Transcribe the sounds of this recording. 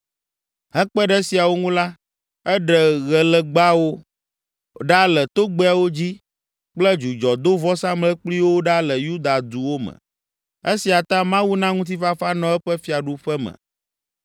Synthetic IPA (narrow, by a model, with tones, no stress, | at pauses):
ɦɛ˦k͡pɛ˦ɖɛ˦si˨a˨wo˦ŋũ˦la˦ | ɛ˦ɖɛ˨ɣɛ˨lɛ˨ɡ͡ba˦wo˦ | ɖa˦lɛ˨t̪o˦ɡ͡bɛ˦a˨wo˦d͡ʑi˦ | k͡plə˦d͡ʒu˨d͡ʒɔ˨d̪o˦vɔ˦sã˦mlɛ˦k͡pli˦wo˦ɖa˦lə˨ju˦d̪a˨d̪u˨wo˦mə̰̃˨ | e˦si˨a˨t̪ã˦mã˦wu˦nã˦ŋũ˦t̪̬i˦fa˦fa˦nɔ̃˨ɛ˦ɸɛ˦fi˦a˨ɖu˦ɸɛ˦mə̰̃˨